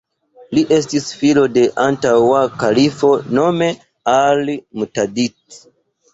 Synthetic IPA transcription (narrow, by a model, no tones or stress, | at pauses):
liʔe̞stisfilo̞de̞ʔantawakalifo̞no̞me̞ | almutadit